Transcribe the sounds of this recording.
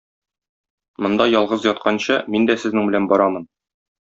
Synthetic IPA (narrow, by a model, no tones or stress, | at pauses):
mŏnd̪ɑjɒlˠʁɤzjɒt̪̚qɑnɕɤmind̪æsɘ̆znɘŋbɘ̆lænbɒɾɑmɤn